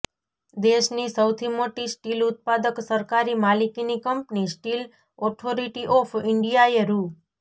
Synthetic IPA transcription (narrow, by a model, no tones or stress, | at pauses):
d̪eʃnisəwt̪ʰimoʈisʈilʊt̪̚pad̪əksəɾkaɾimalikinikəmpnisʈil | ɔʈʰoɾiʈiʔɔfʰɪɳɖijaeɾu